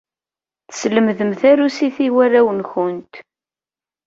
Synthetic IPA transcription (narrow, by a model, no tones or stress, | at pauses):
θə̥sləmðəmθæɾusiθiwæɾæwənçʊnt̪